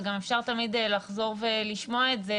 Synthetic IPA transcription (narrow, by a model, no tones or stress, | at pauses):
ɡamefʃaʁt̪amidlaχzo̞ʁveliʃmo̞aetze